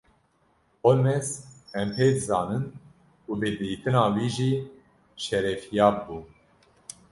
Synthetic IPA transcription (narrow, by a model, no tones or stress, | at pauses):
olmɛsɛmpʰeːd̪zɑːnɨn | uːbɨd̪ɨiːt̪ɨnɑːwiːʒiː | ʃɛɾɛfijɑːbuː